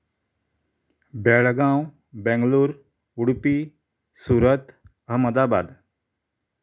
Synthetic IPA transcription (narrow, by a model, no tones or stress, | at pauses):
bɛɭɡãw | bɛ̃ŋɡluːɾ | uɽpi | suːɾət̪ɦəməd̪aba̰d̪